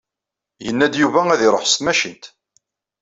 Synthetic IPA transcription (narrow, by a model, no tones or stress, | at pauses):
jənːæd̪juvææðiɾˤoħst̪mæʃint̪